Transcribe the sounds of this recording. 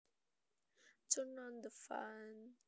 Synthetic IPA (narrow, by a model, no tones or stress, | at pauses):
tʰənɔ̃nd̪əfã̰n